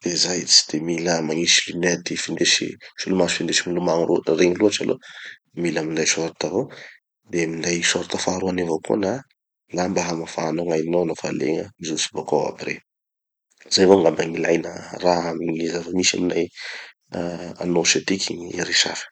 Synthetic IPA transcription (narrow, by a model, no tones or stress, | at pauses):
d̪̥ezajt͡si̥d̪̥emiləmaŋiʃilined̪ifind̪eʃḭʃulumasu̥find̪eʃimilumaŋɾureŋəluaʈ͡ʂalo̰ | milamind̪ajsoɾat̪avo | d̪emind̪ajsoɾat̪afaɾuanevokṵna | lambaɦamafaanoŋajnoanofa̰lḛŋəmizusi̥bokawa̰birḛ | zajvoŋɡambaŋilajnə̰raamiŋizafəmisa̰minaj | a̰noʃat̪ikʲiɲiɾiʃafi̥